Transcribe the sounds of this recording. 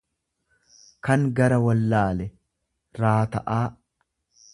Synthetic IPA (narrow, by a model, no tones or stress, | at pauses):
kɐŋɡɐɾɐwɐlːaːlɛ | ɾaːt̪ɐʔaː